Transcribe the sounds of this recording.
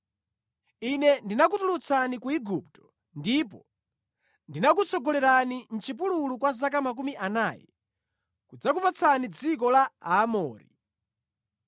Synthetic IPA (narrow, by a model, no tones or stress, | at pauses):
inɛndinak̬utulut͡sʰanikuiɡup̚tɔ̥ | ndip̬ɔ | ndinak̬ut͡sʰɔɡɔlɛɾanin̩t͡ʃip̬ululukwazak̬amak̬umiʔanajɛ̰ | kud͡zak̬upat͡sʰanid͡zik̬ɔlaaːmɔːɾḭ